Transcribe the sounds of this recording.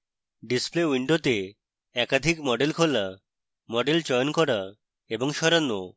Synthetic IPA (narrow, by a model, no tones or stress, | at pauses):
ɖisplewiɳɖot̪e | ɛkad̪ʱikmɔɖelkʰola | mɔɖelt͡ɕɔjonkɔɾa | eboŋʃɔɾanːo